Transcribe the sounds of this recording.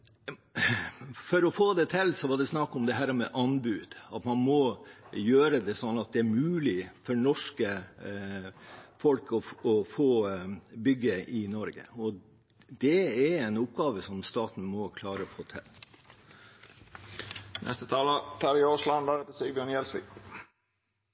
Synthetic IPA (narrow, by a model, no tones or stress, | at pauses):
fɔɾɔfoːd̪ɛt̪ʰɛlːsɔʋɑɖɛsnɑkːɔmd̪ɛɦæːɾmɛʔɑnbʉːd̪̥ɑt̪mɑnmɔjøːɾəd̪ɛsɔnːɑt̪̚d̪ɛæɾmʉːlɪfɔɳɔʂkə | fɔlkɔɔfoːbʏɡːəɪnɔɾɡə̰ɔ | d̪ɛɛɾɛɪnʊpɡɑːʋəsɔmst̪ɑːt̪n̩mɔkʰlɑːɾəɔfoːt̪ʰɛ̰l | nɛ̰st̪ət̪ʰɑːlət̪ʰɑːɾɪoːʂlɑnd̪æɾɛt̪əsibjœːnjɛlsʋɪ̰